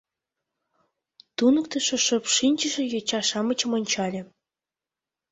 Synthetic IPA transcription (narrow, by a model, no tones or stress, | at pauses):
t̪unɤ̆k̚t̪ə̆ʃɤ̆ʃɤ̆pʃinʲt͡ɕə̆ʒĕjot͡ɕɑʃɑmə̆t͡ɕə̆monʲt͡ɕɑlʲĕ